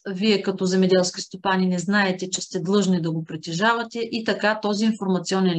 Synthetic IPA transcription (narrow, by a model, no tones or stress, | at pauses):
viɛkɐt̪ɔzɛmɛd̪ɛlˠskʲist̪opaninɛznaɛt̪ɛt͡ʃɛst̪ɛd̪lˠɤʒnid̪ɐɡopɾit̪ɛʒavɐt̪ɛʔit̪ɐkat̪ɔziːnfoɾmɐt̪siɔnɛn